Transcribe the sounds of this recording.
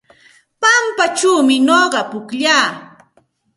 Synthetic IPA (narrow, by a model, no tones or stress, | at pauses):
pampat͡ʃuːmɪnoɢɑpʊkʎaː